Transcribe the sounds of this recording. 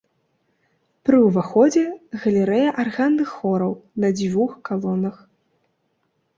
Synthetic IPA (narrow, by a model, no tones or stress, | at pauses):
pɾɨwvaxɔd͡zʲɛɣɐlʲɛɾɛjɐʔarɣanːɨxːɔɾɐwnɐd͡zʲvuxkalˠɔnɐx